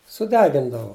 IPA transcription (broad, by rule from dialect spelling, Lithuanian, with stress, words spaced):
sʊˈdʲæːɡʲɪndɐʋʊ